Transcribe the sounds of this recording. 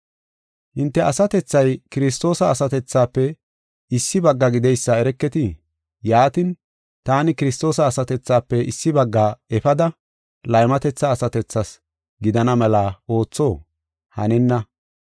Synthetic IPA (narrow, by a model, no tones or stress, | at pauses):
hɪnt̪ːɛɐsɐt̪ɛt͡sːɐjkɪɾɪs̬t̪o̞ːsɐːsɐt̪ɛt͡sːaːpːɛ | ɪsːɪbɐɡːɐɡɪd̪ɛjsːɐɛɾɛkːɛt̪ɪ | jaːt̪ɪn | t̪aːnɪkɪɾɪst̪o̞ːsɐːsɐt̪ɛt͡sːaːpːɛʔɪsːɪbɐɡːaːɛfɐd̪ɐ | lɐjmɐt̪ɛt͡sːɐːsɐt̪ɛt͡sːɐs | ɡɪd̪ɐnɐmɛlɐo̞ːt͡sːo̞ː | hɐ̰nɛnːɐ